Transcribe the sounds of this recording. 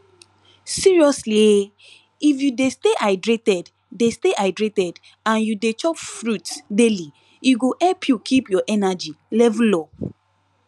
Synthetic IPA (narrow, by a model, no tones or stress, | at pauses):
siɹiɔslie | ifjudesteʔaɪdɹetɛd | desteʔaɪdɹetɛd | ãnjudet͡ʃɔpfɹutsdeli | juɡoʔɛlpʰjukʰipjɔʔɛnad͡ʒilɛvlɔ